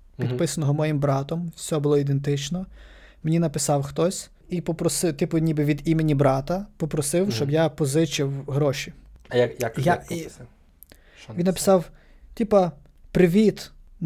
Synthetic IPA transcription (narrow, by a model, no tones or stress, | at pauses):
pʲid̪pɪsɐnɔɦɔmɔjimbɾɑt̪ɔmsʲɔɔbʊlˠɔid̪ent̪ɪt͡ʃnɔ | menʲinɐpɪsɑwxt̪ɔsʲ | ipɔpɾɔsɪt̪ɪpʊnʲibɪʋʲid̪imenʲibɾɑt̪ɐpɔpɾɔsɪwʃt͡ʃɔbjapɔzɪt͡ʃɪwɦɾɔʃʲijjajai | ʋʲinːɐpɪ̥sɑw | t̪ʲipɐ | pɾɪʋʲit̪